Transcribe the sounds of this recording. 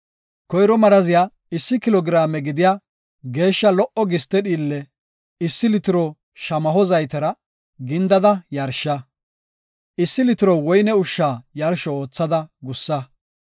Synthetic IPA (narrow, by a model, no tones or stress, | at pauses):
kɔjɾɔmɐɾɐzɪjaː | ɪsːɪkɪlɔɡɪɾaːmɛɡɪd̪ɪjaː | ɡe̞ːʃːɐlɔʔɔɡɪst̪ːɛɗiːlːɛ | ɪsːɪlɪt̪ɪɾɔ | ʃɐmɐɦɔzɐjt̪ɐɾɐ | ɡɪnd̪ɐd̪ɐjɐɾʃɐ | ʔɪsːɪlɪt̪ɪɾɔwɔjnɛʊʃːaːjɐɾʃɔo̞ːt͡sːɐd̪ɐɡʊsːɐ